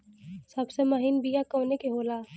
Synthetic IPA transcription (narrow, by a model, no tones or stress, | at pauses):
sɐbsemɐɦɪnbijakɐːnekeɦoːlaː